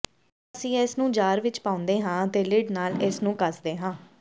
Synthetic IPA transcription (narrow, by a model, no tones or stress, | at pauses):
əsĩːɪsnũːd͡ʒaːɾʋɪt͡ʃpaːʊ̃nd̪eːɦãːt̪eːlɪɖnaːlɪsnũːkəsd̪eːɦãː